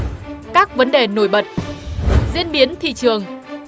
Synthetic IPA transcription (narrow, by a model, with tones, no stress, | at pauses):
kaː˦˥k̚və˨˦nɗe˨˩no˧˩jɓə˨˩t̚ | zḭ˧ənɓi˨˦ənt̪ʰḭ˧˨t͡ɕɨ˨˩əŋ